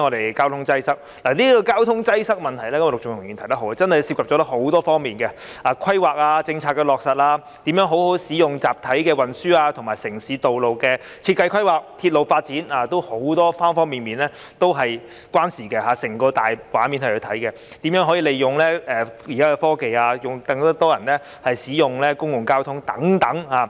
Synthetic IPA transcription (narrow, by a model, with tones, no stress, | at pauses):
ŋɔː˨˧ɾe˨jkaː˥wt̪ʰʊ˥ŋt͡sɐ˥jsɐ˥k̚ | laː˨˩liː˥kɔ˧kaː˥wt̪ʰʊ˥ŋt͡sɐ˥jsɐ˥k̚mɐ˨nt̪ʰɐ˨˩jlɛː˥kɐ˥m˨˧lʊ˨k̚t͡ʃʊ˨ŋt̪ʰŋyː˨nt̪ʰɐ˨˩jt̪̚ɦwa˧t͡sɐ˥nhɐ˨jsi˧pkʰɐ˨p̚t͡ʃɔ˨˦t̪ɐ˥ho˨˥wt̪ɔː˥fɔː˥ŋmiː˨nkɛ˧aː˨˧kʰɐ˥jwaː˨k̚aː˧t͡sɪ˧ŋt͡sʰaː˧t̚kːɛ˧lɔː˨k̚sɐ˨t̚laː˧ | t̪iː˨˥mjœː˨˥ŋɦo˨˥who˨˥wsiː˨˥jʊ˨ŋt͡saː˨p̚t̪ʰɐ˨˥jkɛː˧wɐ˨˩nsyː˥aː˧t̪ʰʊ˨˩ŋmaː˨˩jsɪ˨˩ŋsiː˨˥t̪o˨wlo˨wkɛː˧ | t͡sʰiː˧t̚kɐ˧jkʰʷɐ˥jwaː˨k̚t̪ʰi˧t̚lo˨wfaː˧t̚t͡siː˨˥naː˨˩t̪o˥who˨˥wt̪ɔː˥faː˥nfɔː˥ŋmiː˨nmiː˨˩nlɛː˥ | t̪o˥wɦɐ˨j | kwaː˥nsiː˨˩kɛ˧ɦaː˨˩sɪ˨˩ŋkɔː˧t̪aː˨jwaː˨˥nmi˨˥nhɐ˨jʰkɵ˨˧t̪ʰɐ˨˥jkɛ˧ | t̪iː˨˥mjœː˨˥ŋɦɔ˨˥jiː˨le˨jjʊ˨ŋlɛː˥ɛː˨˩ji˨kaː˦˥kɛ˧fɔː˥ke˨jaː˧jʊ˨ŋt̪ɐ˧ŋt̪ɐ˥t̪ɔː˥jɐ˨˩nlɛː˥ | hɐ˨jsiː˨˥jʊ˨ŋlɛː˥kʊ˥ŋjʊ˨ŋkaː˥wt̪ʰʊ˥ŋt̪ɐ˨˥ŋt̪ɐ˨˥ŋhaː˨˧